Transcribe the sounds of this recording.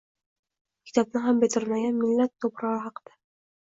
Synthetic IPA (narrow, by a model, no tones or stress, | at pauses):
kʲʰɪ̥t̪ʰɒb̚nɪɦambet̪ʰɪɾmaɡʲanmɪlːat̪ʰːopɾɒʁɨɦɑqɨd̪̥a